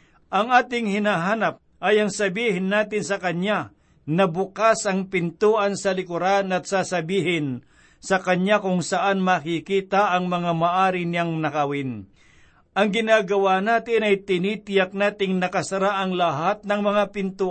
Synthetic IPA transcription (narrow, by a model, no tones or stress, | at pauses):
ʔɐŋaːt̪ɪŋhɪnaɦaːnɐp̚ʔɐjɐŋsɐbiːhɪnːaːt̪ɪnsɐkɐɲa | nɐbʊkasɐŋpɪnt̪uːʔɐnsɐlɪkʊɾanɐt̪̚sasɐbiːɦɪn | sɐkɐɲakʊŋsɐʔanmɐkɪkiːt̪aʔɐŋmɐŋamaʔaːɾɪnɪaŋnɐkɐwɪn | ʔɐŋɡɪnaːɡɐwanaːt̪ɪnɐjt̪ɪniːt̪ɪjak̚naːt̪ɪŋnɐkɐsɐɾaʔɐŋlɐɦat̪̚nɐŋmɐŋapɪnt̪uː